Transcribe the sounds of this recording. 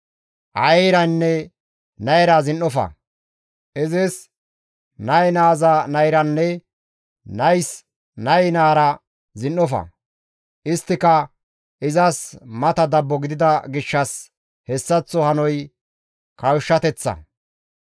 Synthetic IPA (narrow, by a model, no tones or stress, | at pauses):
ʔɐ̰jjɾɐnːɛ | nɐjɾɐzɪnːɔfɐ̰ | ʔɪzɛs | nɐjnaːzɐnɐjɾɐnːɛ | nɐjs | nɐjnaːɾɐ | zɪnːɔfɐ̰ | ʔɪst̪ːɪkɐ | ʔɪzɐsmɐt̪ɐd̪ɐbːɔɡɪd̪ɪd̪ɐɡɪʃːɐs | hɛsːɐt͡sːɔhɐnɔj | kɐwʃːɐt̪ɛt͡sːɐ̰